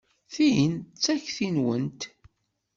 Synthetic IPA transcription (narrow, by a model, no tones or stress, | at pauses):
θijənt͡sːæçθinwənt̪